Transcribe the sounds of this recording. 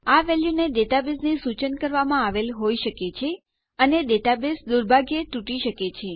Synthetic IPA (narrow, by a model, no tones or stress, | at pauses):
aʋɛljuneɖeʈabesnisut͡ʃənkəɾʋamãaʋelɦoiʃəket͡ʃʰe | əneɖeʈabesd̪uɾbʱaɡjət̪uʈiʃəket͡ʃʰe